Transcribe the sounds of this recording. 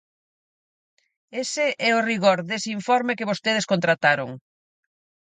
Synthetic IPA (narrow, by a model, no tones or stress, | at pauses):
esɪʔɛoriɣoɾðesiɱfɔɾmɪkɪβost̪eð̞eskont̪ɾat̪aɾoŋ